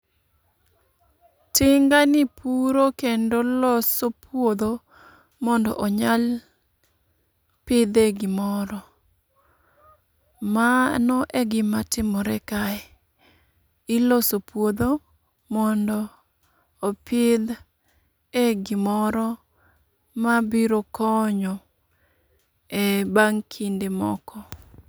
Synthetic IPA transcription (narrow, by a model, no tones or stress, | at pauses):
tɪŋɡanɪpʰuɾokendolɔsopʰwod̪o | mɔndɔ̰ʔɔɲal | pɪd̪eɡɪmɔɾɔ | manɔʔeɡɪmatɪmɔɾɛkaɛ | ɪlosopwod̪o | mɔndɔː | pɪd̪ | eɡɪmɔɾɔ | mabiɾokʰɔɲɔ | ɛbaŋkʰindemɔ̰kɔ